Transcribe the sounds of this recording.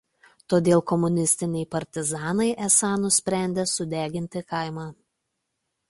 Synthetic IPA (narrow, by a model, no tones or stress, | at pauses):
t̪oːd̪ʲeːlˠkɔmʊnʲɪsʲt̪ʲɪnʲɛɪpɐɾʲt̪ʲɪzɑːnɐɪʔɛsɑnʊsʲpʲɾʲæˑnʲd̪ʲeːsʊd̪ʲæːɡʲɪnʲt̪ʲɪkɐɪmɑː